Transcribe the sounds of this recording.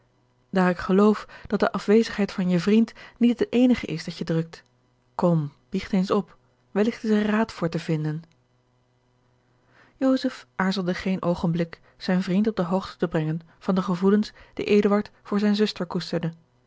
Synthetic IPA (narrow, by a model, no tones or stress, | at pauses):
d̥aːrɪkχəlowfd̥ɑt̚dəʔɑfʋejzəχɦɛjtfɑnjəvrintnitətejnəχə̰ʔɪsdɑtjədrɵk̚t | kɔmb̥iχtejnsɔp | ʋəlɪχtɪzəraːtfʊːɹtəvɪndən | jowzəfʔaːɹzəlˠdəχejnʔowχənblɪk | z̥ɛjnvrintɔb̚dəɦowχtə̥təbrɛŋən | v̥ɑndəχəvulənsd̥ḭʔejdəʋɑɹtfʊːɹzɛjnzʏstəɹkustəɹdə